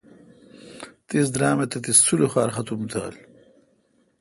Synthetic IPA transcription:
t̪is̬d̪ɾaːmet̪ɐt̪ist͡sːuluxaːɾxɐt̪umt̪ʰa̰ːl

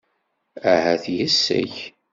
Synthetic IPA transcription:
æhæθjəsːæ̰ç

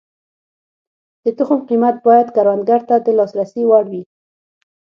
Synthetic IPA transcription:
d̪̥ət̪ʊxʊmqimat̪̚bɑjad̪kaɾwand̪̚ɡaɾt̪ad̪əlɑsɾasiwaɽwi

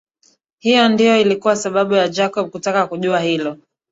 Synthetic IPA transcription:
hijɔndijɔilikuwasaɓaɓujad͡ʒakɔɓ̚kutakakuʄuahilɔ

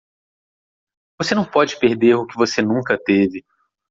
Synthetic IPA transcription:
vosenɐ̃w̃pɔd͡ʒɪpeɾd̪eɾʊkɪvosenũkɐt̪evɪ

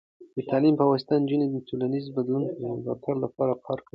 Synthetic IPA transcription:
d̪̥ət̪ʰalimpawast̪and͡ʒəned̪ət̪ʰulanizbad̪lunpəəmzɑ̰t̪ʰaɾlapɑɾakʰɑɾka

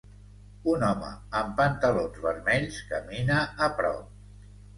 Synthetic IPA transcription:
unɔmə̰əmpənt̪əlonzβəɾmɛʎskəminəːpɾɔ̰wp

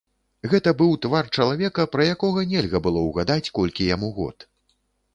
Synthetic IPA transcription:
ɣɛt̪ɐbɨwt̪vart͡ʂɐlˠavʲɛkɐpɾɐjakɔɣɐnʲɛlʲɣɐbɨlˠɔwɣad̪at͡sʲkɔlʲkʲijamuɣɔ̰t̪

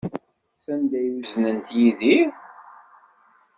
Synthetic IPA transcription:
θænd̪æjuznənt̪jiðiɾ

